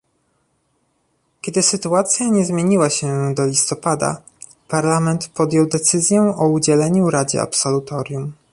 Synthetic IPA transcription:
kʲɛd̪ɘsɘt̪uat̪sʲjaɲɛzmʲjeɲiwaɕɛd̪ɔlʲist̪ɔpad̪a̰ | paɾlamɛnt̪pɔd̪jɔwd̪ɛt̪sɘzʲjɛ̃ʔɔud͡ʑɛlɛɲuɾad͡ʑɛ̰a̰psɔlut̪ɔɾjum

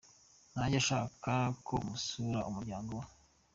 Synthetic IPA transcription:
n̥aɟaʃaːkakʰo̰musuɾaʔumuɾɟaːŋɡowa

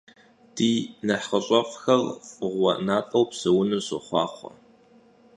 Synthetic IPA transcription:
d̥iːnɐħχəɕʼɔfxɐrfʼɨʁʷɐ̰naːtʼɐwpsɐwʊnɨɕɨχʷɑ̰ːχʷɔ̰

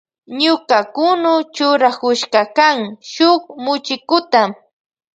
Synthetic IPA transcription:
ɲʊkakʊnʊt͡ʃʊɾakʊʃkakaŋʃʊχmʊt͡ʃɪkʊt̪am

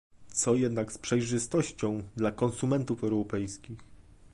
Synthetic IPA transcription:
t̪sɔjɛd̪nakspʂɛjʐɘst̪ɔɕt͡ɕɔ̃w̃d̪lakɔnsumɛnt̪ufɛwɾɔpɛjskʲix

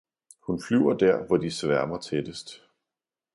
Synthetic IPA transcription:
hunflyʊɐd̥æɐ̰ʋɒd̥isʋæɐmɐt͡sʰed̥əsd̥

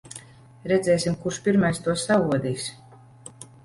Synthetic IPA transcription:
ɾɛd̪zʲɛːsʲimkuɾʃpʲiɾmajst̪uɔsːavuɔd̪iːks

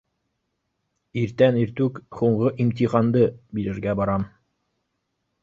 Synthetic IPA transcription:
iɾt̪æniɾt̪ʉkχuɴɢɤʔimt̪iχɑnd̪ɤbiɾɘ̆ɾɡæbɑɾɑm

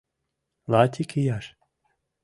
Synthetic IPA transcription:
laːt̪ʰikʰijaɾ

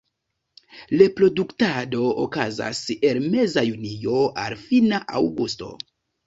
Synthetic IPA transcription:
lepɾo̞duktado̞o̰kaza̰se̞lme̞zajunio̞ʔa̰lfinaʔawɡusto̞̰

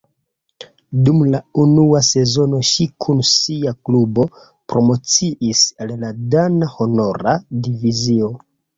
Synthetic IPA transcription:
dumlaunuase̞zo̞no̞ʃikʰunsiaklubo̞ | pɾo̞mo̞t͡siʔisalladanaho̞no̞ɾadivizio̞

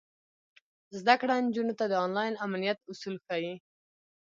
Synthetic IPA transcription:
zd̪akɽand͡ʒunot̪ad̪əɔnlɑjnamnijat̪ʊsulxaji

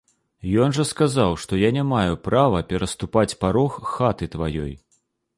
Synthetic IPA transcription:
jɔnʐɐskazawʂt̪ɔjanʲamajupɾavɐpʲɛɾɐst̪upat͡sʲpaɾɔxːat̪ɨt̪vajɔ̰j

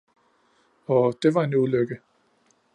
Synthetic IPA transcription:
ɒ̽d̥e̝ʋɑ̈e̝nuløɡ̥ə

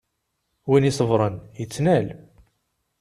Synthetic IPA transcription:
winisˤəvɾˤənjət͡sːnæl

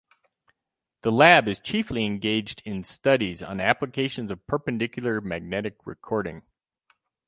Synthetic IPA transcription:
ðəlæbɨz̥t͡ʃʰifliɨ̃nɡeɪd͡ʒdɪ̃nstʌɾizn̩æpləkʰeɪʃɨ̃n̩zʌv̥pʰə˞pɨ̃ndɪkjl̩ˠə˞mæɡ̚nɛɾɨk̚ɹɨ̰kʰɔɹɾɪ̰̃ŋ

